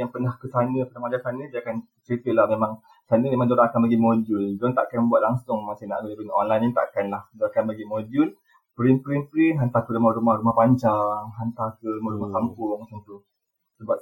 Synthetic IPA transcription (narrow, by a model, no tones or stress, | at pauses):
jaŋpənahkəsanə̃pənahmad͡ʒasanə̃diakan | t͡ʃət̪əʔlahmemãŋ | sanəmemaŋd͡ʒoɾaŋakanbaɡimod͡ʒʊnduaŋt̪a̰ʔkanməbuaʔ̪̚laŋsʊŋmasina̰ʔɡudipənəʔonlajnit̪a̰ʔakanlahdoɾakanbaɡimod͡ʒun | pəɾinpəɾinpɾinɦant̪akəɾumahɾumahɾumahpaɲd͡ʒaŋɦant̪akəɾumaɾumakampʊŋsənt̪u | səbap̚